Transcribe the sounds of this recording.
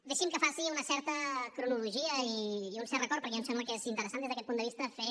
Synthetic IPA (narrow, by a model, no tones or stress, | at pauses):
d̪ɛʃimkəfasiunəsɛɾt̪əkɾunuluʒiəiːunsɛɾrəkɔɾtpəɾkɛnsɛmblˠkezint̪əɾəsand̪ezðəkɛt̪pund̪əβist̪əfe